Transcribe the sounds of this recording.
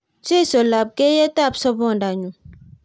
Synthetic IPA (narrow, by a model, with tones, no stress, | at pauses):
t͡ʃe˦˨sɔ˨la˨b̚ke˦jɛ˦ta˦˨psɔ˦bɔ˦˨nda˨ɲu˨